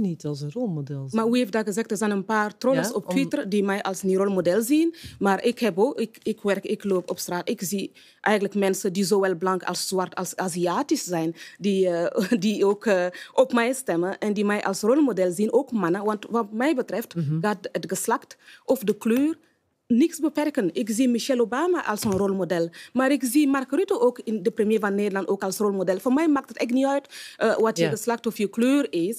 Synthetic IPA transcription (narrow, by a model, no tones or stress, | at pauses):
nitsrolmodɛlˠmaːʋieːfdaɡəzɛxtdərzɛjnənpaːrtroləsɔp̚twɪtərdimɛjʔɑlˠsniɾolmodɛlziənmaːɾʔɪkhɛboːɪkɪkʋɛrkɪkloːpɔpstraːtɪkzi | ʔɛjɣənləkmɛnsədizoːʋɛlˠblɑŋkɑ̰lˠszʋartɑ̰lsaːziaːtiszɛjndiədioːkəʔɔpmɛjstɛməʔɛndimɛjʔɑ̰lsrolmodɛlzinoːkmanəʋantʋat̚mɛjbətɾɛftɡat̚ətɡəslaktɔfdəkløːr | nɪksbəpɛrkənʔɪkziːmiʃɛlobaːmaʔa̰lˠsonrolmodɛlmaːɾɪkziːmarkɾytoʔoːkɪndəpɾəmjeːvanːeːdəlɑntoːkalˠsrolmodɛlfɔmɛjmaːk̚tətɛkniœɥtəwatjəɡəslak̚tɔfjəkløːrɪs